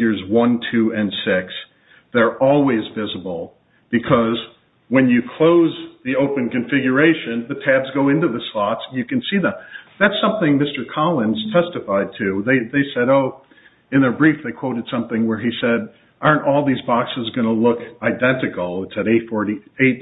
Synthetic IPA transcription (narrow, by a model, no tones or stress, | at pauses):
ə˞zwʌ̃ntʰʉɨ̃nsɪks | ðə˞ʔɔlˠwizvɪzəbl̩ˠ | b̥ɨkʰʌz | wɨ̃njɨkʰl̥oʊzðioʊpɨ̃nkɨ̃ɱfɪɡjə˞eɪʃɨ̃nðɨtʰæbzɡoʊɪ̃ntʉðɨslɑtsjɨkɨ̃nsiðə̃mðætsʌ̃mθɪ̃ŋmɪstə˞kʰɑlˠə̃nz̥tʰɛstɨfaɪd̚tʰʉðeɪðeɪsɛɾoʊ | ɨ̃nðə˞bɹifðeɪkʰw̥oʊɾɨd̥sʌ̃mθɪ̃ŋwə˞isɛɾ | ʔɑ̃˞ntɔlˠðizbɑksɨzɡʌnəlʊkaɪdɛ̃ntɨkl̩ˠɪtsɨɾeɪtfɔɹɾieɪt̚